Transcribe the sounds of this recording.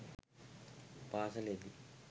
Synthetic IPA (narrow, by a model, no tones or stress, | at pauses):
paːsɐleːd̪i